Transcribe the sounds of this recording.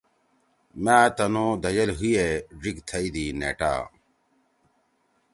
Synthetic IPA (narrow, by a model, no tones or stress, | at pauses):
maːt̪ɐnõːd̪ʱɐjɐlɦujed͡ʑiɡt̪ʰɐid̪iːnḛːʈa̰ː